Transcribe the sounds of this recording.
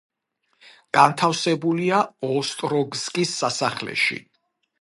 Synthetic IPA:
ɡ̥ant̪ʰafsɛbuliaɔst̪ʼɾɔɡzkʼisːasaχlɛ̰ʃḭ

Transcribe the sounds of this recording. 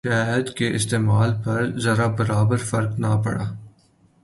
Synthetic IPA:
ʃɛɦəd̪keʔɪst̪eːmaːlpɐɾzɐɾabɐɾaːbəɾfɐɾknapɐ̰ɽaː

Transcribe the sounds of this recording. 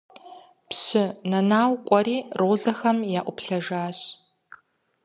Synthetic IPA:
pɕɪnɐnaːwkʷʼɔɾiːrʔoːzɐxɐmjaːʔʷʊpɬɐʒaːɕ

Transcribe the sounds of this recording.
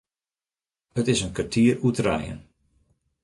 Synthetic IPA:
hətɪsənkartʰiərutrɛ̰jə̰n

